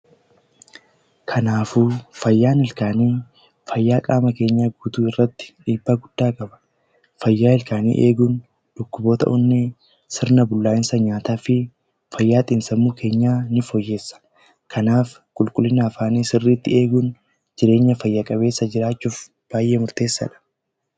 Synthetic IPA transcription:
kʰɐnaːfuːfɐjːaːnɪlkaːniː | fɐjːaːkʼaːmɐke̞ːɲːaːɡuːt̪uːɪrːɐt̪ːɪ̥ᶑiːbːaːɡʊd̪̥ːaːkʼɐbɐ̥ | fɐjːaːhɪlkaːnḭːʔe̞ːɡʊn | d̪̥ʊkːʊboːt̪ɐ̰ʔʊnːɛ | sɪɾnɐbʊlːaːɪnsɐɲaːt̪aːfɪ | fɐjːaːt̪ʼɪnsɐmːuːkʰe̞ːɲːaːnɪfɔjːe̞ːsːɐ̥ | kʰɐnaːf | kʼʊlkʼʊlːɪnɐːfaːnisɪrːiːt̪ːɪe̞ːɡʊn | d͡ʒɪɾe̞ːɲːɐfɐjːɐkʼɐbe̞ːsːɐd͡ʒɪɾaːt͡ʃːuːf | b̥aːjʔeːmʊɾt̪e̞ːsːɐ̰ᶑɐ̥

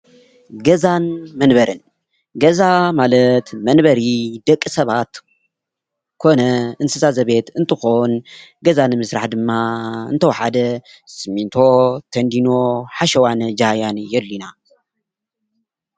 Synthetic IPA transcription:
ɡɐzanmɐnbɐɾɨn | ɡɐzamalɐt̪mɐnbɐɾid̪ɐkʼːisɐβat̪ | kʰo̞nɐɨnsɨsazɐβe̞t̪ɨnt̪ʰɨxonɡɐzanɨmɨsɾaħd̪ɨmːaɨ̰nt̪ʰɐwħad̪ɐ | sɨmint̪ʰo̞t̪ʰɐnd̪ino̞ħaʃɐwand͡ʒajanjɛlːina

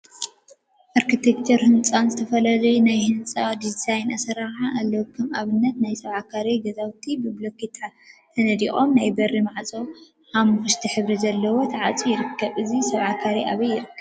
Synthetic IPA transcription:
ʔaɾkʰit̪ʰekt͡ʃ̪ʰɐɾhɨnt͡sʼanzɨt̪ʰɐfɐlalɐjunajhɨnt͡sʼad̪izajnasɐɾaʕaʔalːowkʰːɐmaβɨnːɐt̪najsɐβʕakʰaɾeɡɐzawt̪ʰibɨblokʰit̪ʰat̪ʰɐnɐd̪ixʼo̞mnajbɐrːimaʕt͡sʼow | ħamukɨʃt̪ʰiħɨβɾizɐlːɐwot̪ʰɐʕat͡sʼijɪɾɨkʰːɐβɨzisɐβʕakʰaɾiʔaβɐjːɪɾɨkːɐβ

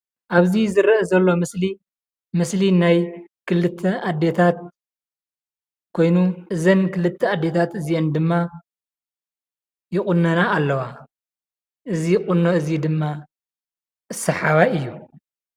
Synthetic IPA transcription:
ʔaβzizɨɾʔɐzɐlːo̞mɨsli | mɨslinajkʰɨlɨt̪ʰːɐʔad̪ːe̞t̪ʰat̪̚ | kʰo̞jnuʔɨzɐnkɨlɨt̪ʰːɐad̪ːe̞t̪ʰat̪ɨzijend̪ɨmːa | jɪχʼʊnːɐnaːlːɐwa | ʔɨziqʼʊnːoɨzid̪ɨmːa | ʔɨsɐħaβaɨjːu

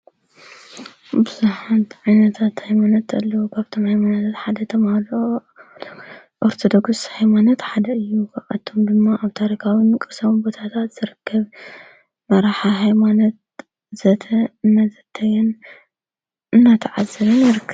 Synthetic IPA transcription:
bɨzuħant̪ʰʕajnɐt̪ʰat̪hajmanɐt̪ɐ̰lːɐwukʰaβt̪ʰo̞mhajmanɐt̪ʰat̪ħad̪ɐt̪ʰɐmahlo | ʔoɾt̪ʰod̪oɡshajmanɐt̪ħad̪ɐɨjːukʰʔat̪ʰːo̞md̪ɨmːaʔaβt̪ʰaɾikʰawimɨkʼɨsɐmbo̞t̪ʰat̪ʰat̪z̥ɨɾɨkːɐβ | mɐɾaħaɦajmanot̪̚ | z̥ɐt̪ʰɐɨnːazɐt̪ʰːɐjɛn | ɨnːat̪ʰɐʕazːɐβɨnjɪɾɨkː

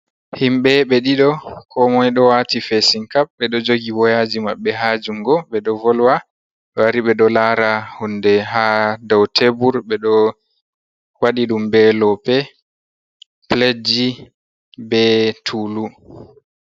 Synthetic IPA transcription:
himɓɛɓɛɗiɗɔkʰɔmɔjɗɔwatifesiŋkap̚ɓɛɗɔd͡ʒoɡiwɔjaːd͡ʒimaɓːɛɦaːd͡ʒuŋɡɔɓɛɗɔvɔlwa | ɛwaɾiɓɛɗɔlaɾahundɛɦadɔwtʰebuɾɓɛɗɔ | waɗiɗumbɛlɔpɛ | pled͡ʒi | bɛtʰuːlu

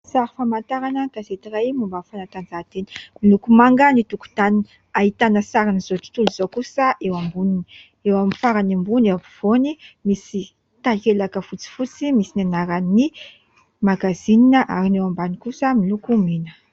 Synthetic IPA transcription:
saɾifamant̪aɾanək̪azet̪irajmumbafanat̪and͡zat̪eni̥milukumaŋɡənit̪uku̥t̪ani | ait̪anəsaɾanizot̪i̥t̪uluzokusəʔewambunini | ewamifaɾanimbunewaviv̥onimisi | t̪akelakəfut͡si̥fut͡simisinanaɾani | maɡazininəʔaɾinewambanikusəmilukuminə̥

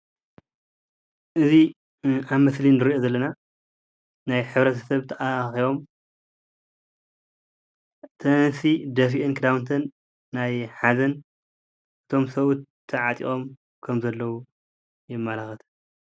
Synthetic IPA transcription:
ʔɨzi | ʔaβmɐslinɨɾiʔozɐlːɐna | najħɨβɾɐt̪ʰɐ̥sɐβt̪ʰɐʔaxiβo̞m | t̪ʰɐnsid̪ɐf̬iʔɨnkʰɨd̪awnt̪ʰɐnː | ajħazɐn | ʔɨt̪ʰo̞msɐβut̪ʰːɐʕat̪ʼḭʔʼo̞m | kʰɐmzɐlːɐwu | jɪmːalaxɐt̪ʰ

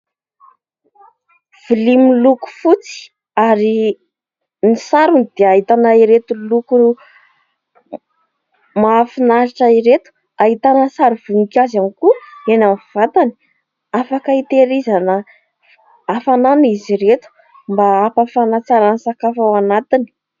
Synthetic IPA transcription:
v̥ilimluku̥fut͡si̥ | aɾi | nisaɾunid̪̥eaɦit̪anaiɾet̪uluku | mafinaɾaʈ͡ʂaiɾet̪u̥ | ait̪anəsaɾuv̥uŋikʲazanikuenamv̥at̪ani̥ | afakait̪eɾizanə | afananiziɾet̪u̥ | mbaapafanat͡saɾansakafawanat̪ini̥

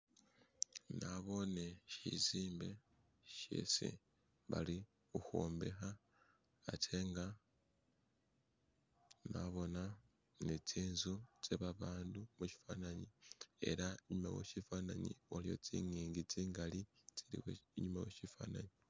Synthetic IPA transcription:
naβo̞neʃiziːmbe̞ | ʃḛsḭ | βa̰li | uxoːmbe̞̰xaː | tʰe̞ŋɡa | naβo̞na | net͡siːnzot͡seβaβaːndumuʃi̥fanaɲie̞̰ɾaiɲuma̰wḛʃifaːnaɲḭwalijo̞̰t͡sḭːŋiːŋɡit͡siːŋɡalit͡siɾḭweiɲumaweʃifa̰ːnaɲi

